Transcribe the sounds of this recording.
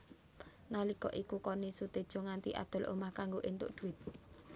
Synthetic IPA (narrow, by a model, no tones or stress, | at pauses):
nalikɔ̰ʔikukɔnisut̪e̤d̥ʒ̥ɔ̤ŋant̪ḭʔa̰d̪̥ɔ̤lʔṵmahkaŋɡoʔint̪ʊ̰ʔd̪̥ṳwɪt̪̚